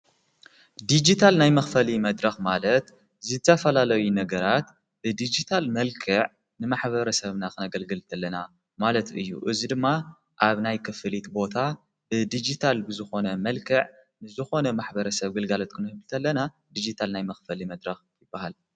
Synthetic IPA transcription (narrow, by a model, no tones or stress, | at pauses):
d̪id͡ʒit̪ʰalnajmɐxfɐlimɐd̪ɾɐxmalɐt̪ | zɨɨt̪ʰɐfɐlalɐjunɐɡɐɾat̪ | b̥ɨd̪id͡ʒit̪ʰalmɐlkʰɨʕ | nɨmaħβɐɾɐsɐβnakʰɨnɐɡɐlɡɨlt̪ʰɐlːɐna | malɐt̪ɨjːṵʔɨzid̪ɨmːa | ʔaβnajkʰɨfɨlit̪bo̞t̪ʰa | bɨd̪id͡ʒit̪ʰalbɨzɨxo̞nɐmɐlkʰɨʕ | nɨzɨxo̞nɐmaħbɐɾɐsɐβɡɨlɡalot̪̚kʰɨnɨhɨβɨlt̪ʰɐlːɐna | d̪id͡ʒit̪ʰalnajmɐxfɐlimɐd̪ɾɐxjɪb̥ːahal